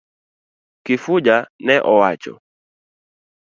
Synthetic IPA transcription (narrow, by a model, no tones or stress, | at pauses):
kifud͡ʒanɛʔɔwat͡ʃɔ̰